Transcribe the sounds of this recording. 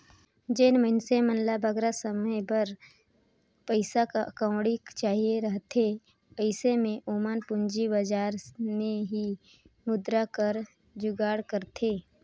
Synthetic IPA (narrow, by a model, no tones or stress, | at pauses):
d͡ʒeːnməɪnsemənlabʱəɡɾasəməjbəɾ | pəɪsakaʔɐkəʊ̃ɽikt͡ʃaːɦieɾəɦt̪ʰe | əɪsemẽʔoːmaːnpʊɲd͡ʒibəd͡ʒaːɾmẽɦi | mʊd̪ɾakəɾ | d͡ʒʊɡaːɽkəɾt̪ʰeː